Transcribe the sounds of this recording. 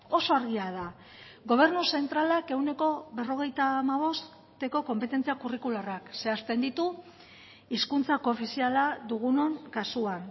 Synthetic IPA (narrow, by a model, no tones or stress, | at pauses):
o̞so̞aɾɣiað̞a | ɣo̞β̞e̞ɾnuse̞nt̪ɾalake̞wne̞ko̞βe̞ro̞ɣe̞jt̪aːmaβ̞o̞s | t̪e̞ko̞ko̞mpet̪e̞nt͡siakurikularakse̞ast̪e̞nd̪it̪u | iskunt͡sako̞fisialaðuɣ̞uno̞ŋkasuan